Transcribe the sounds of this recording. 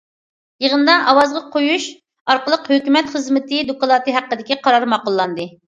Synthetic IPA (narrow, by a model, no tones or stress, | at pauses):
jəʁənd̪ɑʔɑwɑzʁɑqʰojuʃ | ɑɾqəlˠəqhøkʲymɛt̪χəzmɪt̪ʰɪd̪okɑlˠɑːt̪ɨɦæqːəd̪ɪkʲiqʰɑɾɑɾmɑqʊlˠːɑnd̪ɨ